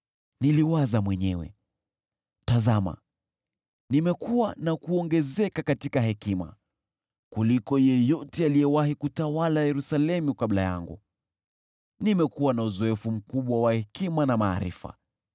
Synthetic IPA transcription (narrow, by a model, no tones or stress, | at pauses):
niliwazamwɛɲɛwɛ̰ | tazama̰ | nimɛkuwanakuɔŋɡɛzɛkakatikaɦɛkima̰ | kulikɔjɛjɔtɛalijɛwahikutawalajɛɾusalɛmukaɓla̰ja̰ŋɡṵ | nimɛkuwanauzɔɛfum̩kuɓwawahɛkimanama̰ːɾḭfa̰